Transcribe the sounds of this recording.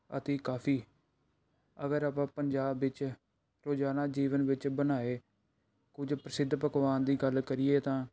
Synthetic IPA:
ə̰t̪eːkaːpʰiː | əɡəɾaːpãːpəɲd͡ʒaːbɪt͡ʃ | ɾoːd͡ʒaːnaːd͡ʒiːʋənʋɪt͡ʃbənaːeː | kʊd͡ʒpɾəsɪd̪ʱːpəkʋaːnd̪iːɡəlkəɾɪeːt̪ãː

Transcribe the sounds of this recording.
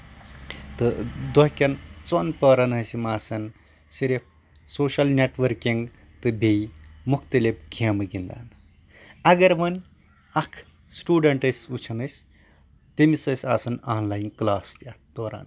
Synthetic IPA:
t̪ɨd̪okʲɐnt͡sonpɐːɾɐnɐsimaːsɐn | siɾep̚ʰ | soːʃɐlnʲeʈʋɐɾkiŋɡ | t̪ɨbʱejmukʰt̪ɐlep̚ɡʰʱʲemɨɡind̪a̰ːn | ɐɡɐɾmɐn | ɐkʰ | sʈuːɖɐɳʈɐsut͡ʃʰɐnɐjsʲ | t̪imisɐsʲaːsɐnaːnlajinklaːst̪ʲad̪oːɾa̰ːn

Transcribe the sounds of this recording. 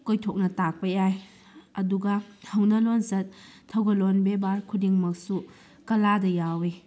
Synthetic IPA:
kojtʰok̚nɐtak̚pɐjaj | ɐduɡahɐwnɐlonzɐt̚tʰːɐwɡɐlonbebaɾkʰudiŋmɐk̚su | kɐladɐjawi

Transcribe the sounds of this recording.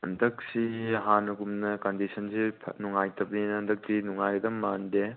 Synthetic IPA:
ɐ̰ndɐk̚siɐɦanɐɡumnɐkɐndisɐnsipʰnuŋajtɐbninɐndɐk̚tinuŋajɡɐdɐmːande

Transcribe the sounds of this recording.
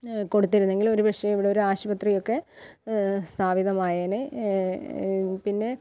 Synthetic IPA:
ko̞ɽut̪ːiɾunːe̞ŋɡilo̞ɾubʱɐʂɐiʋiɽeoɾuaːɕubɐt̪rijo̞kːe̞ | st̪ʰaːbiðɐmaːjɐnɨ | pinːe̞

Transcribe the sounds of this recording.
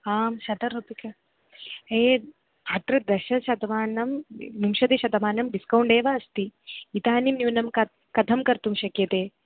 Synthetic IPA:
aːmʃɐd̪ɐɾupikɐ | eː | at̪ɾɐd̪ɐʃɐʃɐd̪ɐmaːnɐmnumʃɐd̪iʃɐd̪ɐmaːnɐmɖiskɐwɳɖeːʋɐɐst̪iːt̪aːnimnuʋnɐmkɐ | kɐd̪ʰʱɐmkɐɾt̪umʃɐkjɐt̪eː

